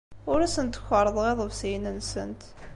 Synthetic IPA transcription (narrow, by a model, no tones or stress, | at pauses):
ʊɾæsənt̪ə̥çəɾˤəðˤʁeðˤəvsjənənsə̰nt̪